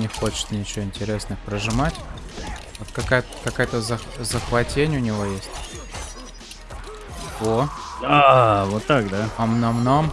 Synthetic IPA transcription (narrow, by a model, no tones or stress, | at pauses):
nʲɪxo̞t͡ɕɪ̥t̪nʲɪt͡ɕɪvoɪnʲtʲɪɾʲe̞snɨxpɾəʐɨmatʲ | vot̪kɐkaj̪ | kɐkajt̪əzəxzəxvɐtʲenʲʊnʲɪvo̞jesʲtʲ | od̪avot̪ːakd̪aɐmnɐvnom